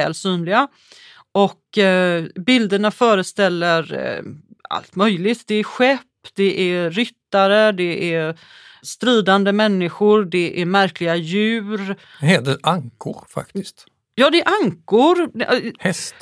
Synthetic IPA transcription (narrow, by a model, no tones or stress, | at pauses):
ɛːlsyːnlɪɡa | ɔk | bɪld̪əɳafœːɾəst̪ɛlːəɾ | a̰lt̪mœjlɪt̪d̪ɛæɾɧɛpːd̪ɛʔæɾʏt̪ːaɾəd̪ɛʔæɾ | st̪ɾiːd̪and̪əmɛnːɪɧʊɾdɛʔæɾmæɾklɪɡajʉ̟ːɾ | ɦeːd̪əaŋkʰʊ̰ɾfa̰k̚t̪ɪst̪ | jɑːd̪ɛæɾʔaŋkʊɾhɛst̪